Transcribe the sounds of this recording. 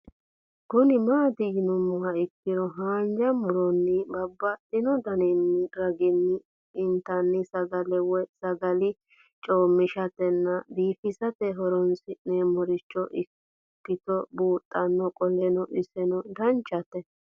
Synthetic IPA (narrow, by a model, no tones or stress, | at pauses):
ɡɔnɪmaːd̪ɪɡnʊmʊwɐɪkːɪdɔɦaːnd͡ʒɐmʊɾɔnːɪbɐbːɐtːɪnɔd̪ɐnɛnːɪɾɐɡɪnːɪː | nt̪ɐnːɪsɐɡɐlɛwɔjsɐɡɐlɪ | t͡ʃʼoːmːɪʃɐt̪ɛnːɐd̪iːfɪsɐt̪ɛɦɔɾɔnsɪneːmɔɾɪt͡ʃːɔʔɪ | kːɪt̪ɔbuːt̪ʼːɐnːɔkʼɔlɛnɔʔɪsɛnɔd̪ɐnt͡ʃːɐt̪ɛ